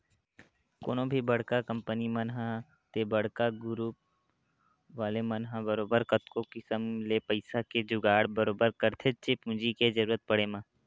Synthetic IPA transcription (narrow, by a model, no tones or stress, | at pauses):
ko̰ːnõbʱibɐɽkakɐ̃mpənimɐnɦã | t̪ebɐɽ̤kaɡʊɾuːp̚ | ʋaːlemɐnɦãbəɾoːbəɾkət̪kokɪsəmlepəɪsaked͡ʒʊɡaːɽbɐɾoːbəɾkɐɾt̪ʰet͡ʃepũːd͡ʒiked͡ʒɐɾuːɾət̪̚pɐɽemãː